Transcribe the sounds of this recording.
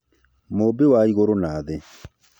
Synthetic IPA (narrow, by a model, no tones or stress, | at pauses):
mobewaiɣoɾonaðe